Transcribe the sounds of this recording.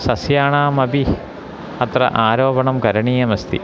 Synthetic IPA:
sɐsjaːɳaːmɐbi | ɐt̪rɐ̰ʔaːɾoːbɐɳɐmkɐɾɐɳiːjɐmɐst̪ḭ

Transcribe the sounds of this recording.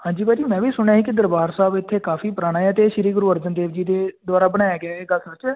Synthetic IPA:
hãːɲd͡ʒiːbaːd͡ʒiːmɛ̃ːʋiːsʊɳ̃jaːɦiːkɪd̪əɾbaːɾsaːbɪt̪ʰːeːkaːfʰiːpɾaːɽ̃aːɛːt̪eʃɾiːɡʊɾuːəɾd͡ʒənd̪eːʋd͡ʒiːd̪eːd̪ʊaːɾaːbəɽ̃aːjaːɡɪaːeɡəlsət͡ʃːɛː

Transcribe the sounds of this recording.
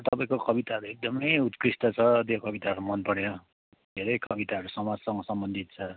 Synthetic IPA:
t̪ʌpaĩkokʌbit̪aʌɾuek̚d̪ʌmʌjut̪krist̪ʌt͡sʰʌd̪jokʌbit̪aɦʌɾumʌnpʌɽjo | d̪ʱeɾʌjkʌbit̪aɦʌɾusʌmad͡zsʌŋɡʌsʌmbʌnd̪ʱit̪̚t͡sʰʌ

